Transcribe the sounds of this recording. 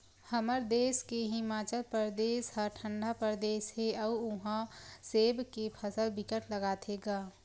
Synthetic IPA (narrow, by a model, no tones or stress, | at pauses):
həməɾd̪eːskeɦɪmaːt͡ʃəlpəɾd̪eːsɦəɾʈʰə̃ɳɖʱapəɾd̪eːsɦeəuʊɦãseːbkepʰəsəlbɪkəʈləɡaːt̪ʰeɡaː